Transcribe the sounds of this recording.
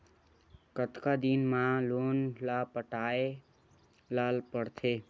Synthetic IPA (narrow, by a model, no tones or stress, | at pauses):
kət̪kad̪inmalonlapəʈae | lalpəɽt̪ʰe